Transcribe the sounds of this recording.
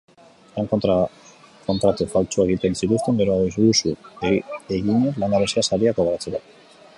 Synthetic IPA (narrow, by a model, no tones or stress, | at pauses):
laŋkot̪ɾa | ko̞nt̪ɾat̪efalt͡suaeɣit̪e̞nsit̪ust̪e̞ŋɡe̞ɾoaisðusu | eɣiɲeɾlaŋɡaβeseasaɾiakoɣaɾat͡seβa